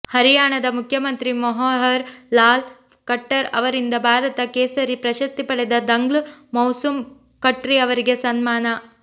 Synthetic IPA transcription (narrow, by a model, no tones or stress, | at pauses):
hɐɾijaːɳɐd̪ɐmukʰjɐmɐnt̪ɾimɐɦɐːɦɐɾlaːl | kɐʈːɐɾɐ̰ʋɐɾind̪ɐbʱaːɾɐt̪ɐkeːsɐɾipɾɐʃɐst̪ipɐɽed̪ɐd̪ɐŋɡlmɐwsum | kɐʈɾiɐʋɐɾiɡesɐnmaːnɐ